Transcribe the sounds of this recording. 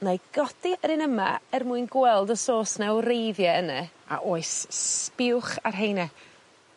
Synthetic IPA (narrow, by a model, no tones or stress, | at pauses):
naɡ̥ɔd̥iəɾɪnəma̰ɛrmuːɨjnɡwɛlˠdəsoːsnawrejðjɛənɛa̰ʔoːɨspɪwχarɦejnɛ